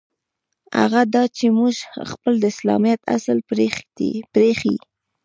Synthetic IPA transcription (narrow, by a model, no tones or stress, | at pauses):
a̰ɣad̪ɑt͡ʃemuʒxpəld̪əɪslɑ̰mijat̪a̰səlɾe̥ipɾexḭ